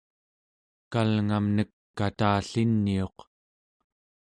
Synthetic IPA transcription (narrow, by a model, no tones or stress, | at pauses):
kalŋamnəkːat̪aːɬinːio̞q